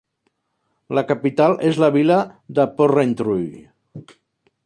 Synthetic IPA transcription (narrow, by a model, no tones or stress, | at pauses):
ləkapit̪alʔezlaβilaðəporent̪ɾuj